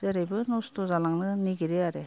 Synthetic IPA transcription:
zeɾajbɯnɔstɔzalaŋnɯniɡiɾeaɾe

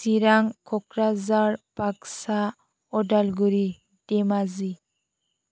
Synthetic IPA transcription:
siɾaŋkʰɔkɾazaɾpaksa | ɔdalɡuɾi | demazi

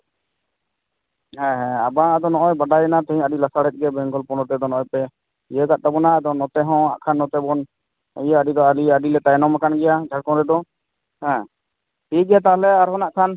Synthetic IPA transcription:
ɦɛ̃ɦɛ̃abãad̪ɔnɔʔɔjbaɖajɛnat̪ɛɦĩaɖilasaɽɛt̪̚ˀɡɛbɛ̃ŋɡɔlpɔnɔt̪ɛd̪ɔnɔʔɔjpɛ | jəɡaʔ̚t̪abɔnaad̪ɔnɔt̪ɛɦɔ̃a̰ʔkʰanːɔt̪ɛbɔn | jaaɖid̪ɔaɾiaɖilɛt̪ajnɔmakanɡɛjad͡ʒʱaɽ̚kɔ̃ɾɛd̪ɔ | hɛ̃ | piɡɛjat̪̬alɛaɾɦɔ̃naʔkʰan

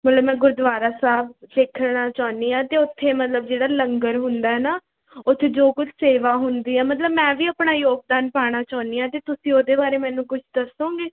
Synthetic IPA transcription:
mət̪ləbmɛ̃ːɡʊɾd̪ʋaːɾaːsaːbseːkʰɽaːt͡ʃaːniːãːt̪eːʊt̪ʰːeːmət̪ləb̚d͡ʒeːɽaːləŋɡəɾɦʊnd̪aːɦɛːnaː | ot̪ʰːeːd͡ʒoːkʊt͡ʃʰseːʋaːɦʊnd̪iːɛːmət̪̬ləbmɛ̃ːʋiːaːpɳaːjoːɡ̚d̪aːnpaːɽ̃aːt͡ʃaːniːaːt̪eːt̪ʊsĩːoːd̪eːbaːɾeːmɛ̃ːnũːkʊt͡ʃʰd̪əsõːɡeː

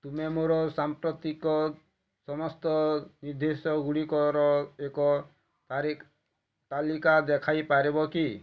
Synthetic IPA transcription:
t̪umemoɾɔsampɾɔt̪ikɔ | sɔmɔst̪ɔniɾd̪esɔɡuɽikɔɾɔekɔ | aɾ | t̪alikad̪ekʰajpaɾebɔki

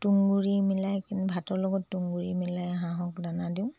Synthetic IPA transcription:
tuŋɡuɹimilajkinubʱatɔɹlɔɡɔtːuŋɡuɹimilajaɦãɦɔkdanadiʊ̃

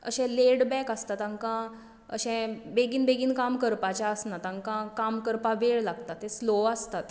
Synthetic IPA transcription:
ə̰ɕɛ̃leɽbɛkəst̪at̪ãŋkã | ə̰ɕɛ̃beɡiːnbeɡiːnkamkəɾpat͡ɕaəsnat̪ãŋkãkamkəɾpaʋeɭlaɡt̪at̪ːesloast̪at̪

